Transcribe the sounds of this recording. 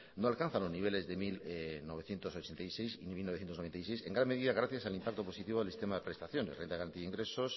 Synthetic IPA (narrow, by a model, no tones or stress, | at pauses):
noalkan̟θanlo̞zniβele̞zðemilnoβe̞θje̞nt̪oso̞t͡ʃent̪ajsejsinimilnoθjent̪onoent̪ajsejseŋɡɾanmeðiðaɣ̞ɾaθjasalimpak̚t̪o̞po̞sit̪iβo̞ðelsist̪emaðepɾest̪aθjo̞nesrent̪aðaɾant̪iðiŋɡɾe̞sos